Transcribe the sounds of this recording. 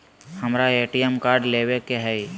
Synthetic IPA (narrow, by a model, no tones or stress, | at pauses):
hɐmɾaeːʈijemkaːɾɖleːʋekeɦɛj